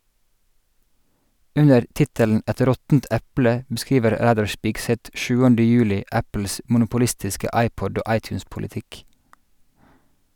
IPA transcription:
ˈʉɲəɾ ˈtɪtəln ˈʔɛt ˈɾɔtn̩t ˈʔæplə bəˈskiːʋəɾ ˈɾæːdɑɹ ˈʃpɪɡˌsɛt ˈʔʃʉːəndə ˈjʉːlɪʔ ˈæpl̩s ʔmʊnʊpʊˈlɪstɪskə ˈʔɑɪpɔd ˈoː ˈʔɑɪtjʉːspʊlɪˌtɪk

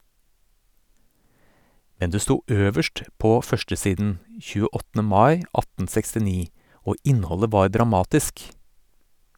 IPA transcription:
ˈmɛn ˈdeː ˈstuː ˈøːʋəʃʈ ˈpoː ˈfœʃʈəˌsiːdn̩ çʉːəˈɔtn̩ə ˈmɑɪ ˈɑtn̩ sɛkstɪˈniː ˈoː ˈʔɪnhɔlə ˈʋɑːɾ dɾɑˈmɑːtɪsk

